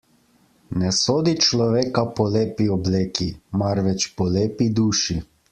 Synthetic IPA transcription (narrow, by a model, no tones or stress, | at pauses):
nɛsoːd̪it͡ʃlɔʋeːkapɔleːpiɔbleːkimaɾʋɛt͡ʃpɔleːpid̪uːʃi